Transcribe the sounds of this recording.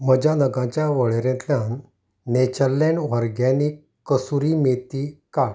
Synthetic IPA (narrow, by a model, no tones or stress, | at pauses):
məd͡ʑanəɡãt͡ɕjaʋəɭeɾẽt̪ljãn | net͡ɕəlːeɳʋəɾɡjãni | kəsuɾimet̪ikaɽ